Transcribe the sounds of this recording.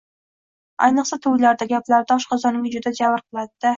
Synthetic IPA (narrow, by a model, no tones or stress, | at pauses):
a̰jnɨqsat̪ʰʊwlaɾd̪aɡʲaplaɾd̪ɒʃqʰɒzɒnɪŋd͡ʒʊd̪ad͡ʒavɨɾqʰɨlˠad̪d̪ɪ